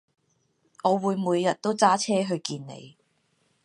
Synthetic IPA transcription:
ŋɔː˨˧wuː˨˧jmuː˨˧jːɐ˨t̚t̪o˥wt͡saː˥t͡sʰɛː˥ɦɵ˧ɥkiː˧nːḛ˨˧j

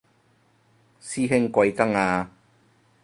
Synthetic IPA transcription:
siː˥ɦɪ˥ŋkʷɐ˧jkɐ˥ŋaː˧

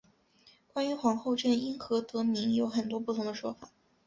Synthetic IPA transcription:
kwa˥ny˧˥xwɑ˧˥ŋxo˥˧ʊʈ͡ʂə˥˩ni˥ŋxɤ˧˥t̪ɤ˧˥mi˧˥ŋjo˧˥ʊxə˨˩nt̪wɔ˥p̬u˥˩t̪ʰʊ˧˥ŋd̪ə˧ʂwɔ˥fa˨˩˦

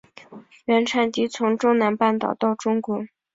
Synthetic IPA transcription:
ɥɛ˧˥nʈ͡ʂʰa˨˩nt̪i˧˥t͡sʰʊ˧˥ŋʈ͡ʂʊ˥ŋna˧˥npa˥˩nt̪ɑ˨˩ʊt̪ɑ˥˩ʊʈ͡ʂʊ˥ŋkwɔ˧˥

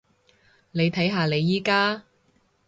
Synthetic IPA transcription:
ne˨˧jt̪ʰɐ˨˥jɦaː˨˧le˨˧jːiː˥kaː˥

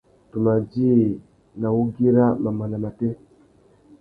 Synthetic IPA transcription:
tu˨ma˨d͡ʒi˦˨ | na˨wu˦ɡi˦ɾa˦ma˨ma˨na˨ma˨tɛ˦

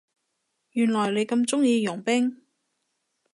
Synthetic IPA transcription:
jyː˨˩nlɔː˨˩jle˨˧jkɐ˧mt͡sʊ˥ŋjiː˨˧jʊ˨˩ŋpɪ˥ŋ

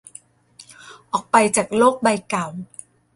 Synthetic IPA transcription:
ʔɔː˨˩k̚pa˧jt͡ɕaː˨˩k̚loː˥˩k̚ba˧jka˨˩w

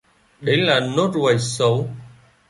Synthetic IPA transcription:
ɗe˨˦jlaː˨˩no˦˥t̚ɣwa˨˩jsə˨˦w

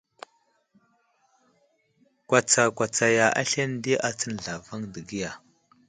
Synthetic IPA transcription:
kwa˨t͡sa˨kʷa˨t͡sa˨ja˨ʔa̰˦ɬe˦ndi˦ʔa˨t͡sə˦n˨ɮa˨va˦ŋdə˨ɡi˦ja˨

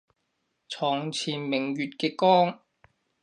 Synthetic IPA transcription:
t͡sʰɔː˨˩ŋt͡sʰiː˨˩nmɪ˨˩ŋɥyː˨t̚kɛː˧kɔː˥ŋ

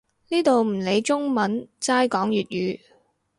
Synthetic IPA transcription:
niː˥t̪o˨wm̩˨˩le˨˧jt͡sʊ˥ŋmɐ˨˥nt͡saː˥jkɔː˨˥ŋjyː˨t̚jyː˨˧

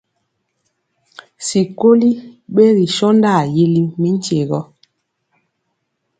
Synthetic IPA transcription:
si˨ko˦li˦ɓe˦ɾi˨ʃɔ˦nda˦˨ji˦li˦mi˦n̩˦t͡ʃe˨ɣɔ˦

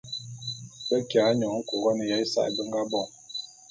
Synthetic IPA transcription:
bə˦kjaː˨˦ɲɔ˨ŋ̩˦ko˨ɣɔ˦nə˨ja˦i˦sa̰˦ʔbə˦ŋ˦ɡa˦bɔ˦˨ŋ

